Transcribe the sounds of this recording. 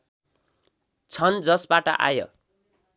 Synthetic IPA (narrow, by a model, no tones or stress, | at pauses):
t͡sʰʌnd͡zʌsbaʈʌ̰ʔa̰jʌ̰